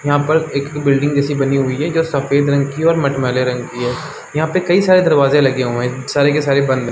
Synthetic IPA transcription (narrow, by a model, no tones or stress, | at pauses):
jɐɦãpəɾeːkbɪlɖɪ̃ŋɡd͡ʒɛːsibɐniɦʊiɦɛd͡ʒoːsɐfeːd̪ɾɐ̃ŋɡkiɔːɾmɐʈmɛːleɾɐ̃ŋɡkiɦɛː | jɐɦãpekɐisaːɾed̪ɐɾʋaːzẽlɐɡeɦoẽsaːɾekesaːɾebɐ̃nd̪ɦ